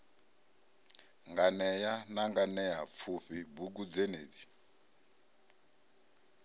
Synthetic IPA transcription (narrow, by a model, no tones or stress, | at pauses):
ŋɡanɛjanaŋɡanɛjap̪fʰuɸibukud͡zeneːd͡zi